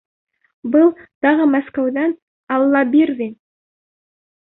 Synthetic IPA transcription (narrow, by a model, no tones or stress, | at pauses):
bʊlˠt̪ɑʁəmaskawd̪ɑn | ɑlˠːɑbiɾd̪in